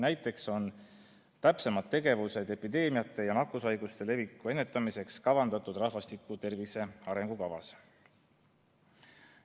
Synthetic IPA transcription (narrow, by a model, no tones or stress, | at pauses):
næjt̪ːˑe̞kso̞n | t̪æpse̞mɑt̪ːe̞ɡ̥e̞vuse̞d̪e̞pid̪e̞ːmijɑt̪ːˑe̞jɑnɑkːˑusɑjɡ̥ust̪e̞le̞vikːˑue̞nːe̞t̪ˑːɑmise̞kskɑvɑnd̪̥ɑt̪ːˑud̪̥rɑhvɑst̪ikːˑut̪e̞rvise̞ɑɾe̞ŋɡ̥ukɑvɑ̰s